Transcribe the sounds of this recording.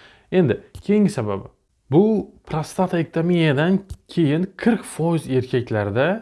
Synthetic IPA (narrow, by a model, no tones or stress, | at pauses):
e̞nd̪ɪkʲʰe̞jŋɪsaba̰bɪ | bʊpʰɾast̪at̪ʰaek̚ʲt̪ʰaminijad̪ankʲʰe̞jɪŋqʰɪɾkʲfɒjɪze̞ɾkʲʰakʲlaɾɪd̪a